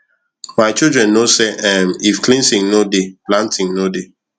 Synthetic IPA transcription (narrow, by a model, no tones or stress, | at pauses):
maɪt͡ʃildɹɛ̃nːoseʔɛmifklĩnsɪ̃ŋnodeplãntɪ̃ŋnode